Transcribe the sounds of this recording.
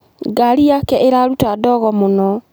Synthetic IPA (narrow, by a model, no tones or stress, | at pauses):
ɡaɾiakɛʔeɾaɾutadɔɣɔmonɔ